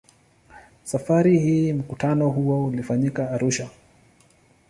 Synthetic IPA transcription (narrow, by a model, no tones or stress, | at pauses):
safaɾihiːm̩kutʰanɔɦuwɔulifaɲikaːɾuʃa